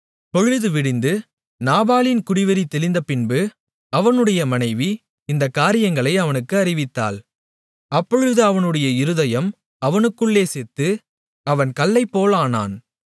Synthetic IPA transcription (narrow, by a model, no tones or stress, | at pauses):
pɔɻɯðɯʋɪɽɪnd̪ɯ | naːbaːlɪnkʊɽɪʋɐɾit̪ːɛlɪnd̪ɐpɪnbɯ | ɐʋɐnɯɽɐjɐmɐnɐɪʋi | ɪnd̪ɐkːaːɾɪjɐŋɡɐɭɐɪɐʋɐnɯkːɯɐɾɪʋɪt̪ːa̰ːl | ɐpːɔɻɯðɯɐʋɐnɯɽɐjɐɪɾɯðɐjɐm | ɐʋɐnɯkːɯɭːeːsɛt̪ːɯ | ɐʋɐnkɐlːɐɪpːoːlaːna̰ːn